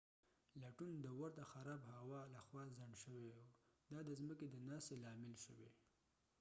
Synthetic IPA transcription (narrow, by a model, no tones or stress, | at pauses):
laʈund̪əwaɾt̪axaɾɑbhawɑlaxwɑzaɳɖʃəweud̪ɑd̪əzməked̪ənɑst̪elɑmɪlʃəwe